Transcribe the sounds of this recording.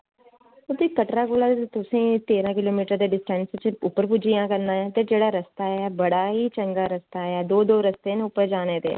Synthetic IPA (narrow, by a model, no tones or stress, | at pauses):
ʊt̪iːkːəʈɾaːkoːlaːt̪ʊsẽːt̪eːɾãːkɪloːmiːʈəɾd̪eːɖɪsʈɛnst͡ʃʊpːəɾpʊd͡ʒijãːkəɾnaːɛ̃ːt̪eːd͡ʒeːɽaːɾəst̪aːɛːbəɽaːɦiːt͡ʃəŋɡaːɾəst̪aːɛːd̪oːd̪oːɾəst̪eːneʊpːəɾd͡ʒaːneːd̪ḛː